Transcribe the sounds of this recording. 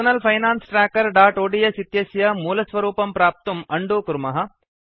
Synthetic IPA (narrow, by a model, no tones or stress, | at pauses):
ɐnɐlpʰɐjnaːnsʈɾaːkɐɾɖaːʈoːɖijɐsit̪jɐsjɐmuːlɐsʋɐɾuːpɐmpɾaːp̚t̪umɐɳɖuːkuɾmɐɦɐ̆